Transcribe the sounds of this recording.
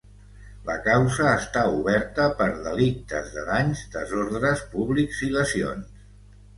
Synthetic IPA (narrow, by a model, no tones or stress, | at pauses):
ləkawzəːst̪auβɛɾt̪əpəɾðəlik̚t̪əzðəðaɲzd̪əzoɾðɾəspuβlikz̥iləsio̰ns